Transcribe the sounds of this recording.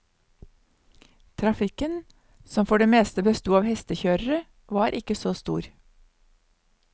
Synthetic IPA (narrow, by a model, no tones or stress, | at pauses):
t̪ʰɾɑfɪkən | sɔmfɔɖeːmeːst̪əbəst̪uːɑːʋhɛst̪əçøːɾəɾə | ʋɑːɾʔɪkəsoːst̪ṵːɾ